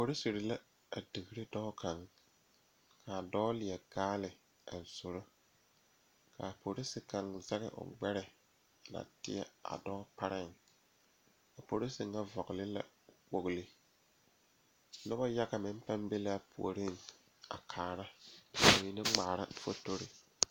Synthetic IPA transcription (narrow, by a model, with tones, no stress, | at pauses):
po˨ɾɪ˦si˨ɾɪ˨la˦ | a˨di˨ɡɪ˦ɾɪ˦dɔ˦kʰa˨ŋ | kʰa˨dɔː˦lɪ˨ɛ˨ɡaː˦lɪ˨ | a̰˨z̥ʊ˨ɾʊ˦ | ka̰˨po˨ɾɪ˦sɪ˨ka˨ŋza˦ɣɪ̰˨ʔʊ̰˨ɡ͡bɛ˦ɾɪ˨ | na̰˨tɪ̰˦ɛ̰˦a̰˨dɔː˦pa˦ɾɪ˦˨ŋ | a˨po˨ɾɪ˦sɪ˨ŋːa˦vɔ˨ɡɪ˨lɪ˦la̰˨ | wo˨ɣlɪ˦ | nʊ˦ba˦ja˦ɡa˨mɪ˦m˦pa˦mbe˦la˦pṵ˨o˨ɾɪ˦ŋ | a̰˨kʰaː˨ɾa˦a˨ɲi˨nɪ˦ŋ͡ma˨ɾa˦fo˦to˦ɾɪ˨